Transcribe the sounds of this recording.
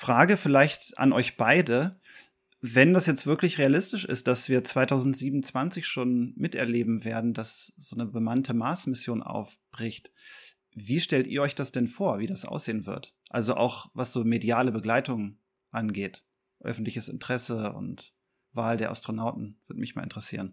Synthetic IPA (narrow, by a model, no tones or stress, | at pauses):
fʁ̥aːɡəfɪlaɪçtʔa̰nʔɔʏçb̥aɪdə | vɛndasjɛt͡stv̥ɪɐklɪçʁealɪstɪʃɪ̰st̚d̥asv̥iːɐt͡sv̥aɪtʰaʊzn̩tz̥iːbm̩nt͡sv̥ant͡sɪçʃoːnmɪtʔɛ̰ɐleːbm̩veːɐdn̩dasz̥oːnəbəmantʰəmaːsmɪsjoːnʔa̰ʊfb̥ʁɪçt | viːʃtɛltḭːɐʔɔʏçd̥asd̥ɛnfoːɐviːdasʔa̰ʊsz̥eːənvɪ̰ɐtʔa̰lzoʔa̰ʊxvasz̥oːmedjaːləbəɡlaɪtʊŋə | ʔanɡeːt | ʔœ̰fn̩tlɪçəsɪ̰ntʁ̥ɛsəʊ̰nt | vaːldeːɐʔa̰stʁ̥onaʊtn̩v̥ɪɐtmɪçmaːlʔɪntʁɛsḭːʁən